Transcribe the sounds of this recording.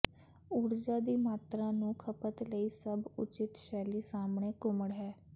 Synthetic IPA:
uɽd͡ʒaːd̪iːmaːt̪ɾãːnũːkʰəpət̪ləiːsəbʊt͡ʃɪt̪ʃɛːliːsaːmɳeːkʊməɽɦɛː

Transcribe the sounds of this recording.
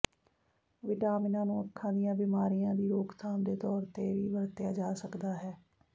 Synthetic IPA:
ʋɪʈaːmɪnãːnũːəkʰːãːd̪ɪjãːbɪːmaːɾijãːd̪iːɾoːkt̪ʰaːmd̪eːt̪ɔːɾt̪eːʋiːʋəɾt̪ɪjaːd͡ʒaːsəkd̪aːɦɛː

